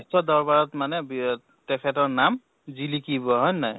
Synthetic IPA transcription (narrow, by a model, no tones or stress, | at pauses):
stɔdɔɹbaɹɔtmanɛbi | tɛkʰɛtɔɹnam | zilikibɔɦɔjnaj